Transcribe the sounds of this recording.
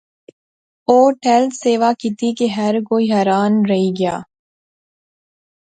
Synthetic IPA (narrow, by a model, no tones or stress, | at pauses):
oːʈɛlseːʋaːkit̪ikeɦɐɾkoːiɦɐːɾaːnɾɐɦiɡɪjaː